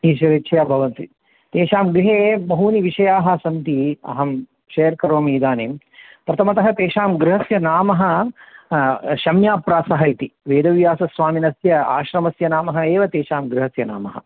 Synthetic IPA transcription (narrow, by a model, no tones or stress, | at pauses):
iːʃɐɾetːt͡ʃʰɐjaːbʱɐʋɐnt̪i | t̪eːʃaːmɡɾiɦeːbɐɦuːniʋiʃɐjaːɦɐ̆sɐnt̪iɐ̰ɦɐm | ʃɐjɐɾkɐɾoːmiːd̪aːneːm | pɾɐt̪ʰɐmɐt̪ɐɦɐt̪eːʃaːmɡɾiɦɐsjɐnaːmɐɦɐ̆ | ʃɐmjaːpɾaːsɐɦɐjt̪iʋeːd̪ɐʋjaːsɐsʋaːminɐsjɐa̰ːʃɾɐmɐsjɐnaːmɐɦɐeːʋɐt̪eːʃaːmɡɾiɦɐsjɐna̰ːmɐɦɐ̰